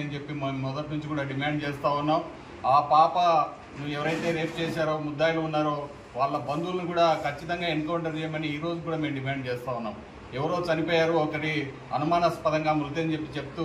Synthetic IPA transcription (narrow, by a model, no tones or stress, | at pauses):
ɐnit͡ʃe̞pːimɔd̪ɐʈnuɲt͡ʃikuːɽaːɖimaːɳɖ̚t͡ʃeɛːst̪aːunːaːm | aːpaːpɐ | nuʋːɛʋɐɾɐjt̪e̞ːɾe̞ːp̚t͡ʃɛːʃaːɾoːmud̪ːaːjluunːaːɾoː | ʋaːɭːɐbɐnd̪ulɐnukuːɽaːkʰɐt͡ʃːit̪ɐŋɡaːenkɐwɳʈɐɾd͡ʒejmɐniiːɾoːd͡ʒukuːɽaːme̞ːmɖimaːɳɖ̚t͡ʃɛːst̪aːunːaːm | ɛʋɐɾoːt͡ʃɐnipɔːjaːɾuɔkɐʈi | ɐ̰numaːnɐspɐd̪ɐŋɡaːmult̪̬eɐnt͡ʃe̞pːit͡ʃe̞p̚t̪u